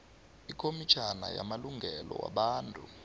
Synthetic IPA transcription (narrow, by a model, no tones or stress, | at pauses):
ikʰomit͡ʃʰanajamaluŋɡʱɛlɔwa̰ɓaːntʼu